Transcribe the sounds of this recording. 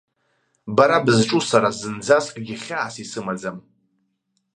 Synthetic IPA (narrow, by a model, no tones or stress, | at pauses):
baɾabɨzʈ͡ʂʼusaɾazɨnd͡zaskʼɡʲiχʲaːsisɨmad͡zam